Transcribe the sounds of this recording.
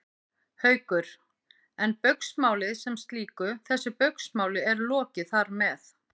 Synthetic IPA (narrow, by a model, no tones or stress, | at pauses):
hœːɥkʏɾ̥ | ɛnpœɥksmaːwlɪðsɛmst̪liːkʏθɛsːʏpœɥksmawlɪɛɾlɔːcɪθaɾmɛθ